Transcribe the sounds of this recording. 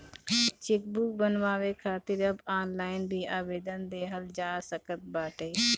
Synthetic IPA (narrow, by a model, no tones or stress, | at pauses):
t͡ʃeːk̚buk̚bənʋaːʋekʰaːt̪ɪɾəbaːnlaːɪnbʱiːʔaːʋeːd̪ənd̪eːɦəld͡ʒaːsəkət̪̚baːʈeː